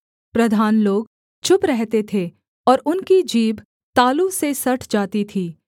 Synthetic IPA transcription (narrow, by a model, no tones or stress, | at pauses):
pɾɐd̪ʱaːnloːɡ | t͡ʃʰʊpɾɛɦt̪et̪ʰe | ɔːɾʊnkid͡ʒiːb | t̪aːlusesɐʈʰd͡ʒaːt̪it̪ʰiː